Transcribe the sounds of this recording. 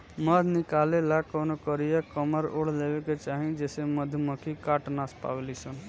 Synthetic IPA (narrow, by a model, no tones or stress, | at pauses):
məd̪ʱnikalelakonokəɾijakəməɾoɽ̤lebeket͡ʃaɦĩd͡ʒeseməd̪ʱməkʰikaʈnaspa̰belisən